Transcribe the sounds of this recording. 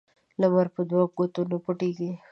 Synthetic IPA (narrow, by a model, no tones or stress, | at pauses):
lamaɾpəd̪waɡot̪unopʊʈiɡi